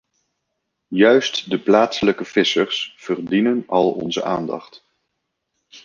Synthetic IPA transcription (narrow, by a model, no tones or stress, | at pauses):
jœɥstdəplaːtsələkəv̥ɪsərsv̥ərdinənɑlˠɔ̰nzə̰ʔa̰ːndɑ̰χt